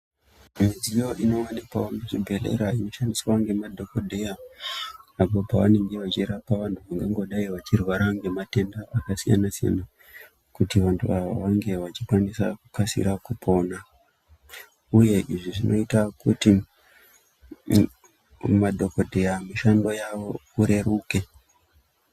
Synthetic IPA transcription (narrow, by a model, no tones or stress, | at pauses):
mizijo̞ʔino̞anepaomet͡ʃibʱe̞lḛɾaino̞ʃandiswaŋɡe̞madʱo̞kodʱeja | apo̞paʋane̞ŋɡe̞ʋat͡ʃiɾapaʋantuʋaŋɡeŋɡo̞ɗaiʋat͡ʃirwaɾaŋɡe̞mate̞ndaakasija̰nasija̰na | kutiʋantʰuaʋa̰ʋaŋɡe̞ʋat͡ʃikwanisa̰kukasḭɾakupʰo̞na | uje̞ʔiʐiʐinʔo̞̰itakuti | madʱo̞ko̞dʱe̞jamiʃando̞jaʋo̞uɾe̞ɾuːke̞